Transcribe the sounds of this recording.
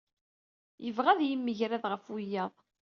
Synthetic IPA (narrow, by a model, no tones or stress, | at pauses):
jəvʁæðjəmːəʝɾæðʁəfʊjːæðˤ